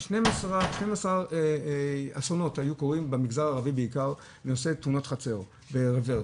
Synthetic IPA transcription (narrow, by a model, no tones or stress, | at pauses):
ʃnemasʁaʃnejmasaʁ | asono̞thajukoʁimbemiɡzaʁaːʁavibeikaʁ | neoset̪unotχat͡se̞ʁ | beʁeveʁ